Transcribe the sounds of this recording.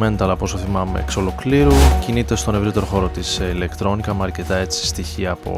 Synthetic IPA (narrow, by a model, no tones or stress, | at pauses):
menet̪eɐlɐpo̞soθimɐmḛːkso̞lo̞kliɾucinit̪est̪o̞ne̞vɾit̪e̞ɾo̞xo̞ɾo̞t̪isile̞kt̪ɾo̞nikɐmeɐɾce̞t̪ɐe̞t͡si̥st̪içiɐːpo̞̰